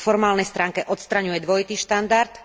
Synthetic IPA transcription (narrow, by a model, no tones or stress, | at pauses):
fɔɾmaːlnɛjst̪ɾaːŋkɛʔɔt̪st̪ɾaɲujɛd̪ʋɔjit̪iːʃt̪and̪aɾt̪